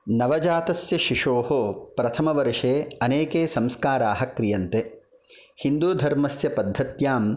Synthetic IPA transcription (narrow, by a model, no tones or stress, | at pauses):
nɐʋɐd͡ʒaːt̪ɐsjɐʃiʂoːɦopɾɐt̪ʰɐmɐʋɐɾʂeːɐneːkeːsɐmskaːɾaːɦɐkɾijɐnt̪e | hind̪uːd̪ʱɐɾmɐsjɐpɐd̪ʱːɐt̪jaːm